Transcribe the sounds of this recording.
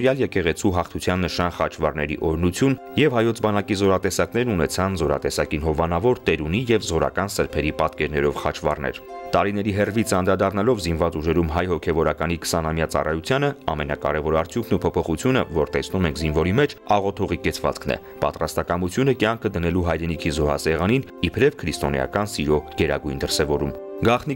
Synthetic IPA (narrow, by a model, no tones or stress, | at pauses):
ɾjɑljɛkɛʁɛt͡sʰuɦɑχt̪ʰut͡sʰjɑnːəʃɑnχɑt͡ʃʰvɑrnɛɾḭʔɔɾnut͡sʰjun | jɛvhɑjɔt͡sʰbɑnɑkizɔɾɑt̪ɛsɑkn̪ɛɾnunɛt͡sʰɑnzɔɾɑ̰t̪ɛsɑkinɦɔvɑnɑvɔɾt̪ɛɾunijɛvzɔɾɑ̰kɑnsəɾpʰɛɾipɑt̪kɛɾnɛɾɔvχɑt͡ʃʰvɑ̰rnɛ̰ɾt̪ɑɾinɛɾiɦɛrvit͡sʰəɑnɾɑd̪ɑrnɑlɔvzinvɑt͡suʒɛɾumɦɑjhɔkʰɛvɔɾɑkɑnikə̥sɑnɑmjɑt͡sɑ̰rɑjut͡sʰjɑnəɑmɛnɑkɑɾɛvɔɾɑɾt͡sʰjukʰnupʰɔpʰɔχut͡sʰjunə̰vɔɾt̪ɛsnumɛŋkʰzinvɔɾimɛt͡ʃʰɑʁɔt̪ʰɔʁikɛt͡sʰvɑ̰t͡skʰnɛ̰ | pɑ̰t̪ɾɑst̪ɑkɑmut͡sʰjunəkjɑŋkʰəd̪ənɛluɦɑjɾɛnikʰizɔɦɑ̰sɛʁɑninipʰɾɛvkʰɾist̪ɔnjɑ̰kɑnsiɾɔɡ̥ɛɾɑ̰ɡujnd̪əɾsɛvɔɾumɡɑχni